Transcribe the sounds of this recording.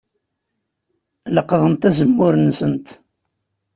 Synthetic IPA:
ləqðˤənt̪æzəmːʊɾnsənt̪

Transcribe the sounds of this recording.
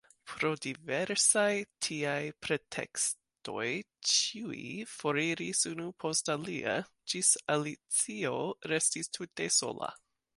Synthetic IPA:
pʰɾo̞diveɾsajtʰiajpʰɾe̞tʰḛks | to̞̰j | t͡ʃiuifo̞ɾiɾisunupʰo̞stalia̰ | d͡ʒisalit͡sioɾestistʰute̞so̰la̰

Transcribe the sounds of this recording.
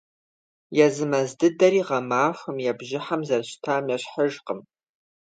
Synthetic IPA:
jɛzɨmɐzdɨdɐɾiːʁɐmaːxʷɐmjɛbʒɪħamzɐrɕtʰaːmjɛɕħəʒqəm

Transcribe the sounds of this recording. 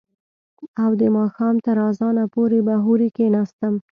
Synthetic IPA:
awd̪əmɑxɑmt̪əɾɑzɑnapoɾebaɦuɾikenɑst̪əm

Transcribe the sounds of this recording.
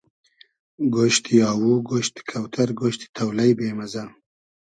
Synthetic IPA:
ɡoʃt̪ijɑːwuɡoʃt̪kʰawt̪ʰɐɾɡoʃt̪i̥t̪ʰɐwlajbeːmɐza

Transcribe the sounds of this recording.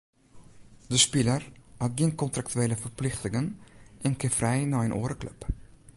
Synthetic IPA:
dəspɪləraɡɪŋkɔntɾak̚tʉeːləfərplɪxtɪŋənʔɪnkəfrɛjnɑːənʔo̰ːɾəklœ̰p

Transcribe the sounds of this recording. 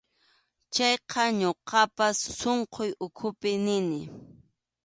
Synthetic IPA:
t͡ʃɑjqɑɲoqʰɑpasːoɴqʰojʊkʰʊpɪnɪnɪ

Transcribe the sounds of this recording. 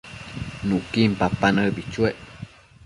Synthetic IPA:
nũkimpapanəbit͡ʃweʔ

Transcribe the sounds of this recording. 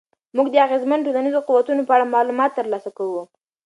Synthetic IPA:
muɡd̪əaɣezmanʈ̬olanizoquwat̪unopəaɽamɑlumɑt̪ːəɾlɑsakawu

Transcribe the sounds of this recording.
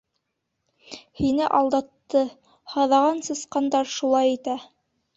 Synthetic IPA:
hinɘʔɑlˠd̪ɑt̪ːɤ | hɑðɑʁɑnsɤ̆sqɑnd̪ɑɾʃulˠɑjit̪æ

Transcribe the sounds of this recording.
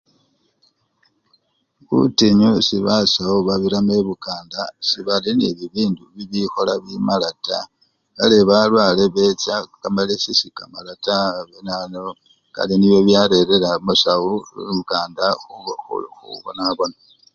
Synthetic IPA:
kṵtiɲusiβasauβaβiɾameβukaːndasiβaliniβiβiːnduβiβixo̞laβimalata̰ | ka̰leβalwaleβe̞t͡sakamalisisika̰malataβenano | ka̰liniβjo̞βjaɾeɾelamusawuβukaːndaxuoṵxṵβo̰naβo̞na

